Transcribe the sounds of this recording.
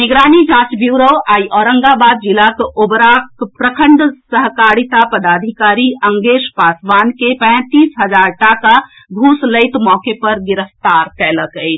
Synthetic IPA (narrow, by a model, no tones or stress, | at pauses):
neɡɾanid͡ʒãt͡ʃbjuɾowaiʔɔɾəŋɡabad̪̚d͡ʒilakobɾakpɾəkʰəɳɖsəɦkaɽit̪apəd̪ad̪ʱikaɾiʔəŋɡeʃpasʋankepɛ̃t̪isɦəd͡ʒaɾʈaka | ɡʱusləɪt̪mɔkepəɾɡiɾəst̪aɾkɛləkəɪt͡ʃʰ